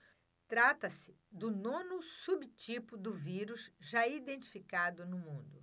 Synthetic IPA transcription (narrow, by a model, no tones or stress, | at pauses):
t̪ɾat̪ɐsɪ | d̪ʊnõnʊsubt͡ʃipʊd̪ʊviɾʊsʒaid̪ẽnt͡ʃi̥fikad̪ʊnʊmũd̪ʊ